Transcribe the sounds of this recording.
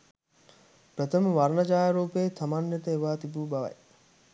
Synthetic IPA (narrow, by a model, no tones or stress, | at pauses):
pɾət̪ʰəməʋaɾnɐd͡ʒaːjɐɾoːpeːt̪ʰɐmanjet̪əeʋaːt̪ibuːbɐʋɐ̰j